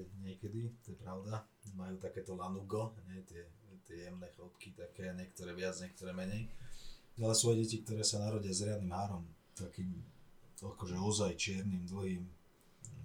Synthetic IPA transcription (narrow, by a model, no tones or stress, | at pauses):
ɲɪɛkɛd̪it̪ɔjɛpɾaʊd̪a | majuːt̪akɛːt̪ɔlanuɡɔɲɛjt̪ɪɛt̪ɪɛjɛmnɛːxɔlpkit̪akɛːaɲɛkt̪ɔɾɛːʋɪad͡zɲɛk̚t̪ɔɾɛːmɛɲɛj | alɛsʋɔjɛɟɛcik̚t̪ɔɾɛːsanaɾɔɟiazɾɪad̪nimɦaːɾɔm | t̪akiːm | akɔʒɛɔzajt͡ʃɪɛɾnimd̪l̩ɦiːm